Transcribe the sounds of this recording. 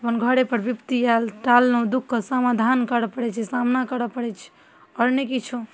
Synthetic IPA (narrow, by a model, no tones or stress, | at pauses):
pənɡʱəɽepəɾbipt̪ialʈalnɔd̪ukʰːəsəmad̪ʱankəɾəpəɽɛt͡ʃʰɛsamnakəɾəpəɽɛt͡ʃʰɛ̥ | ɔɾnekit͡ʃʰu